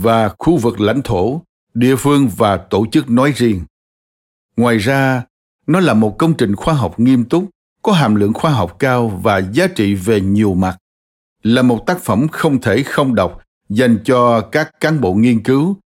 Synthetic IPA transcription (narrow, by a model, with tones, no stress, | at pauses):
vaː˨˩xu˧vɨ˨˩k̚la̰˧˥jŋ̟t̪ʰo˧˩ | ɗḭ˧˨əfɨ˧əŋvaː˨˩t̪o˧˩t͡ɕɨ˦˥k̚nɔ˨˦jzi˧əŋ | ŋwaː˨˩jzaː˧ | nɔ˨˦laː˨˩mo˨˩t̚kə˧wŋ͡mt͡ɕï˨˩ŋ̟xwaː˧ɦɔ˨˩wk͡p̚ŋi˧əmt̪ʊ˦˥k͡p̚ | kɔ˨˦ɦaː˨˩mlɨ̰˧˨əŋxwaː˧ɦɔ˨˩wk͡p̚kaː˧wvaː˨˩zaː˨˦t͡ɕḭ˧˨ve˨˩ɲi˨˩əwma˨˩t̚ | laː˨˩mo˨˩t̚t̪aː˦˥k̚fə˧˩mxə˧wŋ͡mt̪ʰe˧˩xə˧wŋ͡mɗə˨˩wk͡p̚ | za˧jŋ̟t͡ɕɔ˧kaː˦˥kːaː˨˦nɓo̰˧˨ŋi˧ənkɨ˨˦w